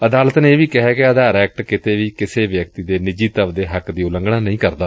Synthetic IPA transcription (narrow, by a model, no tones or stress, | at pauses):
əd̪aːlət̪neeːʋiːkɛɦɛːkɪəd̪aːɾɛːk̚ʈkɪt̪eːʋiːkɪseːʋjəkt̪iːd̪eːnɪd͡ʒiːt̪əʋd̪eːɦəkd̪iːʊlə̃ŋɡɽãːnəĩːkəɾd̪aː